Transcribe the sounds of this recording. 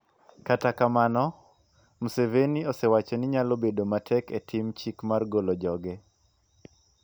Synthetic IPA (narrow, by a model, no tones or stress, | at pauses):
katakamanɔ | museveniosewat͡ʃɔnɪɲalobedomatʰɛketʰimt͡ʃikmarɡolɔd͡ʒɔɡɛ